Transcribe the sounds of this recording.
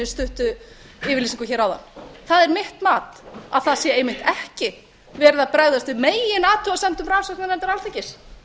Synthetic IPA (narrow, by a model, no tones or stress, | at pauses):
ɪst̪ʏht̪ʏ | ɪːvɪɾlisĩŋkʏçɛːɾawða̰nːθaðɛɾmɪht̪maːt̪a̰ðθaðsjɛejmɪht̪ɛhcɪ | vɛːɾðapɾaɣðast̪vɪðmeːjɪnaːt̪ʰʏaðsɛmt̪ʏmransɔhknanɛnt̪aɾalθɛcːɪs